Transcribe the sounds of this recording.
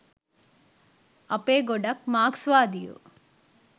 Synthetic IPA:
ɐpeːɡoɖɐk̚maːksʋaːd̪ijo̰

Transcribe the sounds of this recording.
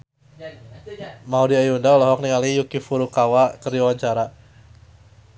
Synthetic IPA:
maudiajundaulaɦɔk̚niŋalijukifuɾukawakərdiawaɲt͡ʃaɾa

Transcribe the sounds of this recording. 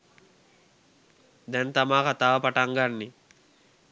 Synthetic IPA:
d̪ɛnt̪amaːkat̪aːʋɐpaʈaŋɡanːe

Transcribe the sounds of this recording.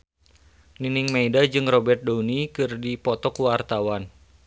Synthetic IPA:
niniŋmaidad͡ʒɨŋrɔbɛrt̪̚dounikɨrdipɔt̪ɔkuwart̪awan

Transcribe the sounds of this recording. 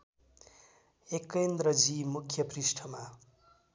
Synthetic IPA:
ekːend̪rʌd͡zimukʰjʌprisʈʰʌma

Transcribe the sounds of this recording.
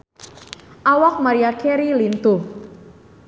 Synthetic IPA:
ʔawak̚maɾiakɛɾilint̪u

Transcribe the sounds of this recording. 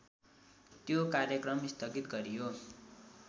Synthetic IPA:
t̪jokaɾjʌkrʌmist̪ʰʌɡit̪ɡʌɾijo

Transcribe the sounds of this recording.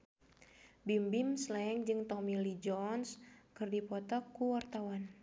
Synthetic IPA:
bimbimslɛŋd͡ʒɨŋt̪ɔmilid͡ʒɔnskɨrdipɔt̪ɔkuwart̪awan

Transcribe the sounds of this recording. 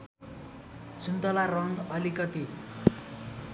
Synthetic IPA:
sunt̪ʌlarʌŋɡʌlikʌt̪i

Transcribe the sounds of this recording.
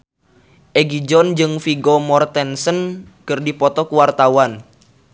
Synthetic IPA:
ʔeɡid͡ʒɔnd͡ʒɨŋfiɡɔmɔrt̪ɛnsənkɨrdipɔt̪ɔkuwart̪awan

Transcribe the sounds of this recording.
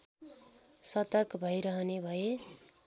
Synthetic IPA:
sʌt̪ʌrkʰʌbʱʌjɾʌɦʌnebʱʌje

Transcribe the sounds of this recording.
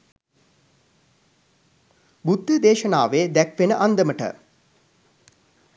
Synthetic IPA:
bud̪ːid̪eːʃənaːʋeːd̪ækʋenəʔand̪əməʈə̰

